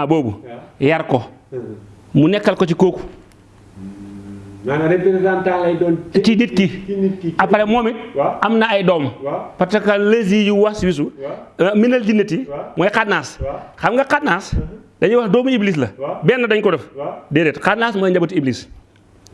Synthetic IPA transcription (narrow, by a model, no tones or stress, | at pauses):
aboːbṵjaɾkɔ | munɛkːɐlkɔt͡ʃikoːku | ɾepindantalajdɔntidit̚ki | apalɛmɔːmiamnaːjdɔːmpɐtɐkalez̬iːjiwaswis̬u | minɐld͡ʒinːɐtimɔjkadnaːsxamŋɡɐkadnaːsdɐɲiwɐhdɔːmuibliːs̬lɐbɛːnːɐdɐɲkɔdɐfdɛːdɛtkadnaːsmaaɲd͡ʒabɐtiiblis